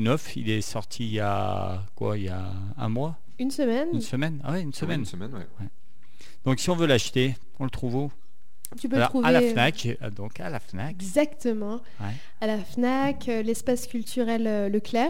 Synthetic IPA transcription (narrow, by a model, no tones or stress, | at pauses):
nɔfḭlɛsɔʁt̪ʰija̰ | kwa̰ilja̰ | ɛ̰̃mwa | ynsəmɛnynsəmɛna̰wɛynsəmɛnmɛɛwɛ | d̪̥ɔ̃ksiɔ̃vølaʃt̪e | ɔ̃lət̪χuvo | t̪yp̬ølɔtʁχuvaelafnak | d̪ɔ̃ka̰lafnaɛɡzakt̪əmɑ̃ | wɛ | alafnakølɛspaskʲylt̪ʰyʁɛløːəklɛ